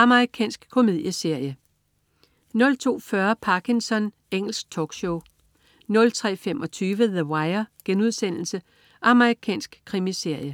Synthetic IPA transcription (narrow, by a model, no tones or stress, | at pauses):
ɑ̈məʁikʰɛ̰ːnsɡ̥kʰːo̝me̝ð̞̰ˠjəse̝ɐ̰jə | nɔ̽lt͡sʰo̝̰ːfɶɐpʰɑ̈kʰinsɒ̽n | eŋ̰l̩sɡ̥̚t͡sʰɒɡ̥ɕoʊ | nɔ̽lt͡sʰʁɛ̰ːfemɒ̽t͡sʰyːʋəðəwɑ̈ɪɐɡ̥enuð̞̰ˠsen̰l̩sə | ʔɑ̈məʁikʰɛ̰ːnsɡ̥kʰːʁimise̝ɐ̰jə